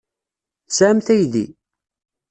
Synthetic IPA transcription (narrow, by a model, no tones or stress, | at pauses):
sæmθæjðḭ